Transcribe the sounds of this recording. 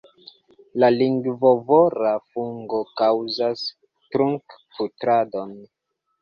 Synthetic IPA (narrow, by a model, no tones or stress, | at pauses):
laliŋɡvovoɾafuŋɡokawzas | tɾuŋkfutɾadon